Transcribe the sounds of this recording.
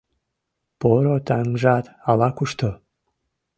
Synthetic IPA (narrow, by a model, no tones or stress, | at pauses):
poɾot̪æŋʒɑt̪ɑlɑkuʃt̪o